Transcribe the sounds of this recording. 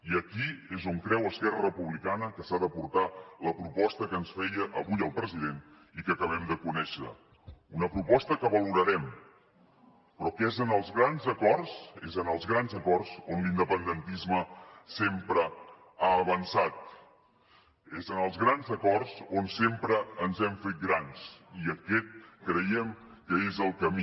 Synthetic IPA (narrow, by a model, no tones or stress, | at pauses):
iəkiezoŋkɾɛwəskɛrərəpuβlikanəkəsaðəpuɾt̪aləpɾupɔst̪əkənsfɛjəʔːβujəlˠpɾəziðen | ikəkəβɛmd̪əkunɛʃə̰ | unəpɾupɔst̪əkəβəluɾəɾɛm | pɾɔkezənəlˠzɣɾanzəkɔrsezənəlˠzɣɾanzəkɔrzonlind̪əpənd̪ənt̪izməsempɾə | aːβənsat̪̚ | ezənəlˠzɣɾanzəkɔrzonsempɾəːnzɛmfet̪̚ɡɾansiəkɛt̪̚kɾəjɛm | kəezəlˠkəmi